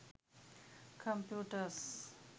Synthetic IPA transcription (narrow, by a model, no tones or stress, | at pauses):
kʰə̃mpjuːʈəɾs